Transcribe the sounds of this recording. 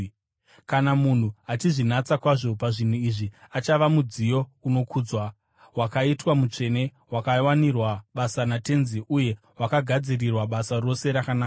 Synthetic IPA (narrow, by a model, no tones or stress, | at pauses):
kanamun̤uɦatiʐinat͡sakwaʐo̞paʐin̤uiʐiat͡ʃaʋamud͡zijo̞uno̞kʰuːd͡zwa | wakaitwamut͡ʂe̞ne̞ | wakawanirwaɓasanate̞nziʔuje̞ | wakaɡʱad͡zirirwaɓasaro̞se̞ɾakanaːka